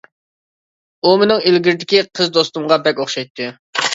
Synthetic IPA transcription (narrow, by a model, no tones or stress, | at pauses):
umenɪŋelɡʲɪɾɪd̪ɪkʲiqʰəzd̪ost̪umʁɑbɛkʲoχʃɑjt̪ʰːɨ